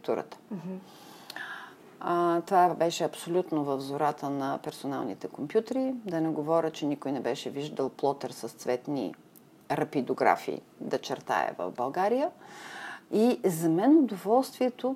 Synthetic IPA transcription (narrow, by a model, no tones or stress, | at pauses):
t̪uɾə̰t̪ə̥ | t̪ovabɛʃɛɐpsolʲut̪novəvzoɾat̪ənɐpɛɾsona̰lˠnḭt̪ɛkompjut̪əɾid̪ɐnɛɡovɔɾʲət͡ʃɛnikojnɛbɛʃɛviʒd̪əlˠplˠɔt̪əɾsəst̪svɛt̪nḭ | ɾɐpid̪oɡɾa̰fḭː | d̪ɐt͡ʃɛɾt̪a̰ɛ̰və̰vbɐlˠɡaɾijə | izɐmɛnʊd̪ovɔlˠst̪viɛt̪o